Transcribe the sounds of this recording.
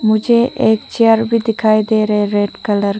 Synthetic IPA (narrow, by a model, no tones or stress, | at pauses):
mʊd͡ʒʱeʔeːkt͡ʃaɾbʱid̪ɪkʰaːjd̪eːɾɐɦeɾeːɖkələɾ